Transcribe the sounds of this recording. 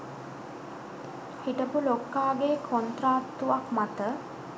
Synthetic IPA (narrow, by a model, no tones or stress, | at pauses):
hiʈəpulokːaːɡeːkʰont̪ɾaːtt̪ːuʋakmat̪ə